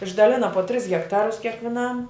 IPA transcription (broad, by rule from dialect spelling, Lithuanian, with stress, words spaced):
ɪʒdɐˈlʲɪnɐ poː tʲrʲɪs ɣʲɛkˈtɑːrʊs kʲiɛkʋʲɪˈnɐm